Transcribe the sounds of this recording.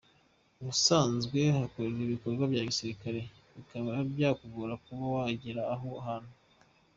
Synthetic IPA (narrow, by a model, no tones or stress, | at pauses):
βusaːnzɡwe̞hakoɾeɾiβiko̞ɾɡwabɟaːβisiɾikaɾe̞ | βikaβaabjaːkuɡuɾakuβawaɟiɾaːɦoɦano